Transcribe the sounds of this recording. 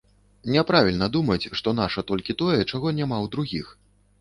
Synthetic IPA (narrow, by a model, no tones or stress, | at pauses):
nʲɛpɾavʲilʲnɐd̪umɐt͡sʲʂt̪ɔn̪aʂɐt̪ɔlʲkʲit̪ɔjɛt͡ʂaɣɔnʲamawd̪ɾuɣʲix